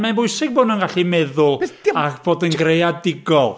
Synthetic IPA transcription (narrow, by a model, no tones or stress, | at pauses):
manbʊɨsɪɡ̚boːdnunɡaɬimɛðʊlˠakʰb̥oːdənɡrejadɪɡɔlˠ